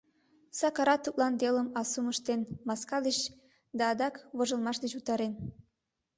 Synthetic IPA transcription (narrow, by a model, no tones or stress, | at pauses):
sɑkɑɾɑt̪ːuklˠɑnd̪eləmɑsuməʃt̪enmɑskɑd̪et͡ɕ | d̪ɑːd̪ɑkβoʒəlˠmɑʃd̪et͡ɕut̪ɑɾen